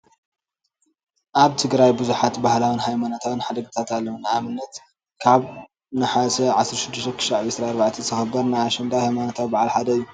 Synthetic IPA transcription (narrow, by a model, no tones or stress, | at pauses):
ʔaβt̪ʰɨɡɾajbɨzuħat̪bahlawɨnɦajmanot̪ʰawɨnħad̪ɐɡɨt̪ʰat̪alːɐwunɨʔamɨnːɐt̪ | kʰaβ | nɨħasɐʕasɾʃɪd̪ːɪʃt̪ɐkʰɨ̥ʃaʕβsɾaːɾbaʕt̪ʰit̪ʰɨxɐbːɐɾnajaʃɐnd̪ʰawhajmanot̪ʰawbaʕalħad̪ɐɨjːu